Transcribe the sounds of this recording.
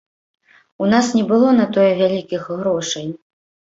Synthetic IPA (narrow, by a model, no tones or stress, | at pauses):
unasnʲɛbɨlˠɔnɐt̪ɔjɛvʲalʲikʲixːɾɔʂɛnʲ